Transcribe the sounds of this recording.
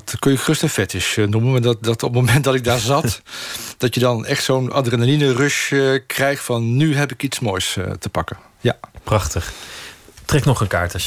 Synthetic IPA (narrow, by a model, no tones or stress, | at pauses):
tkønjəχɵstənfɛtɪʃnumənddɑtɔpmowmɛnt̚dɑtɪɡ̚daːɹzɑtd̥ɑtjədɑnɛχtsowna̰drɛnalinərøʃkrɛjxtfɑnːyɦɛpɪkitsmoːjstəpɑkə | japrɑχtəχ | trɛknɔχənka̰ːɹtə